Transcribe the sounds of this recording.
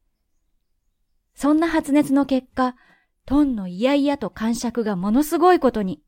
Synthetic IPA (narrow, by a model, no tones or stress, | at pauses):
sõ̞nːaɦat͡sɨne̞t͡sɨno̞ke̞kːa | t̪õ̞nːo̞ijaijat̪o̞kãɰ̃ɕakɯ̟ɡamo̞no̞sɨɡo̞iko̞t̪o̞ɲ̟i